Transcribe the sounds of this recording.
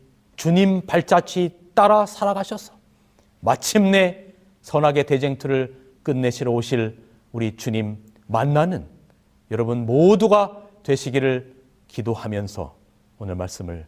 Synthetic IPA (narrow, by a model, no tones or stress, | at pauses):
t͡ɕuɲimpaɭt͡ɕ͈at͡ɕʰit͈aɾasʰaɾaɡaɕʰʌsʰʌ̥ | mat͡ɕʰimne̞ | sʰʌnaɡe̞te̞d͡ʑe̞ŋtʰuɾɯɭ | k͈ɯnːe̞ɕʰiɾʌoɕʰiɭ | uɾit͡ɕuɲimː | anːanɯn | jʌɾʌbunmoduɡatwe̞ɕʰiɡiɾɯɭ | kidohamjʌnsʰʌ̰ | onɯɭma̰ɭs͈ɯmɯɭ